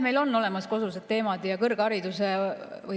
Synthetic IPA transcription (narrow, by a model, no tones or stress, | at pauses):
me̞jlo̞nːo̞le̞mɑsko̞susedt̪ːe̞ːmɑd̪̥jɑkɤrɡ̥ɑɾid̪̥usevɯ